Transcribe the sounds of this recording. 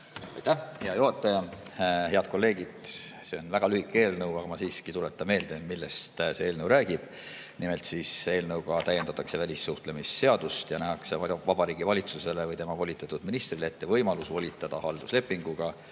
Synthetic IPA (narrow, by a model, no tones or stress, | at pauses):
ɑ̰jt̪æhheɑjoɦɑt̪ːˑɑjɑhe̞ɑd̪̥ko̞lːe̞ːɡ̥id̪̥se̞o̞nvæɡ̥ɑlyhikːˑe̞ːlnɤwɑɡɑmɑsiːskit̪ule̞t̪ːˑɑme̞ːld̪e̞milːest̪se̞elnəwɾæːɡ̥ib̥ | nimelt̪siːse̞ːlnɤwɡɑt̪æjːed̪̥ɑt̪ːˑɑkse̞vælʲisːuht̪le̞misːe̞ɑd̪̥ust̪jɑnæɦɑkse̞ɑvɑbɑɾiːɡivɑlʲit̪suse̞le̞vɤjt̪e̞mɑvo̞lʲit̪ːˑet̪ːˑud̪̥minist̪rileet̪ːe̞vɤjmɑlusvo̞lʲit̪ːˑɑd̪̥ɑhɑld̪̥usle̞pˑːiŋɡ̥uɡ̥ɑ